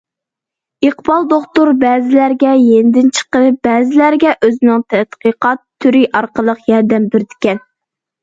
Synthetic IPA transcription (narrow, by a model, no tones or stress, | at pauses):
iqbɑlˠd̪oχt̪uɾbɛːzɪlæɾɡʲɛjenɪd̪ɪnt͡ʃʰə̥qənbɛːzɪlæɾɡʲɛʔøzɪnɪŋt̪ʰɛt̪qiqɑt̪ʰːyɾiʔɑɾqəlˠəqjɑɾd̪ɛmbɪɾd̪ɪ̥kʲɛn